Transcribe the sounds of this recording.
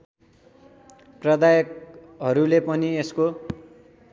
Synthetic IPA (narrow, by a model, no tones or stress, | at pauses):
prʌd̪ajʌk | ɦʌɾulepʌniesko